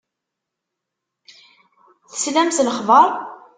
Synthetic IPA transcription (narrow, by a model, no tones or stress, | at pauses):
θə̥slæmsləχvəɾˤ